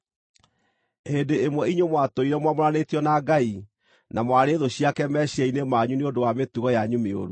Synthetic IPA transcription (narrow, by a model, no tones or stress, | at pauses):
hendeemwɛiɲomwatoiɾɛmwamoɾanetjɔnaɡai | namwaɾeðoɕiakɛmɛɕiɛinemaɲuneodowametuɣɔjaɲumeo̰ɾu